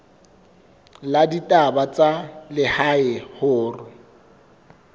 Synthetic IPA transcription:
laditʼabat͡sʼalɪhaɪhʊːrɪ

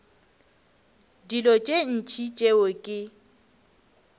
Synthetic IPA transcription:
dilɔt͡ʃʼen̩t͡ʃʰʼit͡ʃʼewokʼɪ

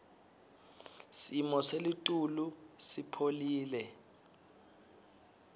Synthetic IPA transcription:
simɔselitʼulusipʰoliːlɛ

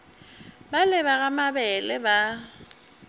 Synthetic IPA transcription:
balɪβaɣamabɛlɪba

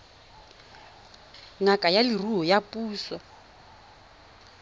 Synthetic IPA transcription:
ŋakʼajaliruɦɔjapʼuːswa

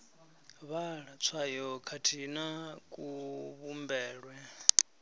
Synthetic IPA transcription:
βaɺat͡sʰwajɔkʰatʰinakʼuβumbɛːɺwɛ

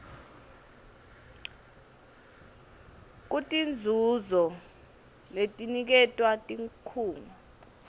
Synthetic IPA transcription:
k̬utʼind͡zʱuzɔ | letʼinik̬ɛtʼwatʼiŋkʰuːnu

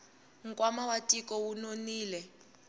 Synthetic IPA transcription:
ŋ̩kʼwamawatʼikɔwunoniːlɛ

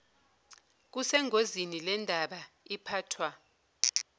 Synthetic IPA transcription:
k̬usɛŋozinilɛndʱaɓaipʰaːtʰwa

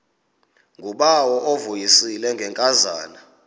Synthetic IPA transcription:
ŋɡʱuɓawɔʔovujisilɛŋɡʱɛŋkʼaza̰ːna

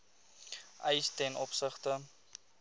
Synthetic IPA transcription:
ʔəjstɛnɔpsəχtə

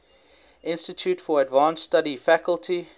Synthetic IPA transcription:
ʔɪ̃nstətʰjutfɔədvɑ̃ːnstaɾifækəlˠtʰi

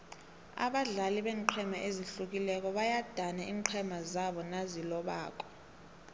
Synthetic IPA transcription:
a̰ɓaɮaliɓɛːŋǃʰɛmaʔeziɬuk̬ilɛk̬ɔɓajad̥ʱanaʔiːŋǃʰɛmazaɓɔnazilɔɓa̰ːk̬ʼɔ̥

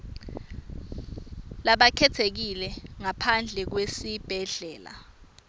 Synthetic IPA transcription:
laɓakʰɛtʰek̬ilɛŋapʰand͡ɮʱɛk̬wesib̥ʱɛɮɛːla̰

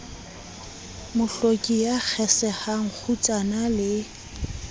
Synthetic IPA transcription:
mʊɬokʼijak͡xʰɛsɛhaŋ̩k͡xʰut͡sʼanalɪ

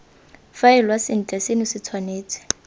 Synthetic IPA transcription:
faɪlwasɪn̩t͡ɬʼɛsenɪsɪt͡sʰwaneːt͡sʰʼɪ̥

